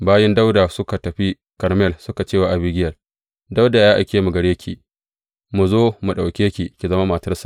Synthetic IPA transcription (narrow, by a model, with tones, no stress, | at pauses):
baː˦jɛ˦nda˦wda˨sʊ˦ka˨tɐ˨ɸi˦ | kɐ˨ɾmɛ˦˨lsʊ˦ka˨t͡ʃeː˦wa˨ʔa˨bɪ˦ɡʲɪ˦jɐ˨l | da˦wda˨jaː˦ʔa˨kʲeː˦mu˨ɡɐ˨ɽeː˦kʲi˨ | mu˨zoː˦mu˨ɗa˨wkʲeː˦kʲi˨kʲi˨zɐ˦ma˦mɐ˨tɐ˦rsa˨ʔ